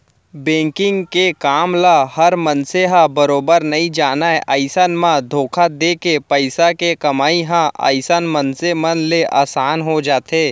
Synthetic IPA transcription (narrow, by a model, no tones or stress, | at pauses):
bẽːŋkɪ̃ŋɡkekaːmlahɐɾmənseɦãbɐɾoːbəɾnɐĩd͡ʒaːnaeʔaːɪsənmãd̪ʱoːkʰad̪eːkepɐɪsakekɐmaːiɦãʔa̰ːɪsənmənsemɐnleʔa̰ːsaːnɦod͡ʒaːt̪eː